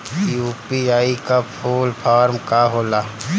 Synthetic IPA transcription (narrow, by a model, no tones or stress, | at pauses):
uːpiaːikapʰoːlpʰaːɾmkaɦoːla